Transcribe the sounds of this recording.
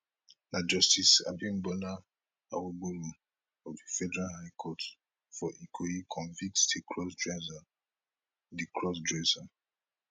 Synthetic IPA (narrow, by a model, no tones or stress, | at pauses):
nad͡ʒɔstisa̰bĩnbɔna | awoɡ͡bolu | ɔvdifɛdəɹalhajkʰɔt | fɔʔikʰoikʰɔ̃nvĩk̚tdikʰɹɔsdɹɛza | dikʰɹɔsdɹɛza